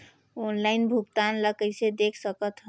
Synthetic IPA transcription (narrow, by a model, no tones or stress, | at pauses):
onlainbʱukt̪anləkəjsed̪ekʰsəkət̪ɦ